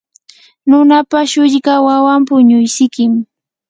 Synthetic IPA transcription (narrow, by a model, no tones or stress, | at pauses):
nʊnapaʃʊʎɢawawampʊɲʊjsɪkɪm